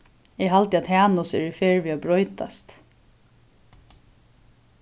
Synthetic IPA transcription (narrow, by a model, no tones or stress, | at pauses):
ɛɦalt̪ɪat̪hæːnʊsɛ̰ɹɪfeːɹʋiːabɹɔjt̪a̰st̪